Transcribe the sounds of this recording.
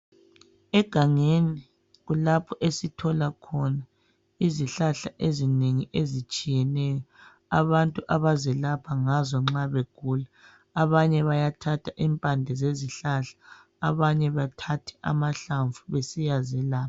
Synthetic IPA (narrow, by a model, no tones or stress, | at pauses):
ɛɡ̥ʱaŋeni | ɣulapʰɔʔesitʰɔlakʰɔna | iziɬaɬaʔezineŋiʔezit͡ʃʼijɛnɛjɔ | aβantʼuʔaβazɛlapʰaŋazɔŋ͡ǁaβeɡ̥ʱuːla | aβaɲɛβajatʰatʰaʔimpʼandʱɛzeziɬaɬḁː | βaɲɛβatʰatʰɛ̥ʔa̰maɬaɱvuβesijazɛlaː